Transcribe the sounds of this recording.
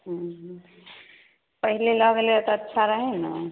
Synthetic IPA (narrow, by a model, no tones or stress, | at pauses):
ɦ | pəɦileləɡelet̪ətːʃʰaɾəɦɛna